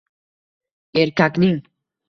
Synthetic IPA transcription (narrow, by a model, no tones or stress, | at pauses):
eɾkakniŋ